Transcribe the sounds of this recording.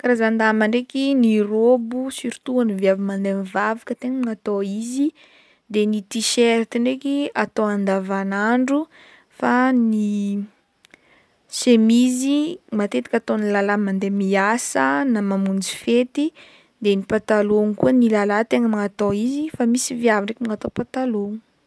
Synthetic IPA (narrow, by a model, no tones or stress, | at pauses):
kɾazand̪amaɳɖ͡ʐekʲinirobusiɾt̪uaniviavimand̪emivavakət̪eŋəmŋat̪oizi | d̪enit̪iʃeɾt̪iɳɖ͡ʐekiat̪oand̪avanaɳɖ͡ʐu | fani | semizimat̪et̪i̥kʲat̪onilalamand̪emiasənamamund͡zi̥fet̪i | d̪enipat̪aloŋkuənilalat̪eŋəmaŋat̪oizifamisiviaviɖ͡ʐekimiŋat̪opat̪aloŋ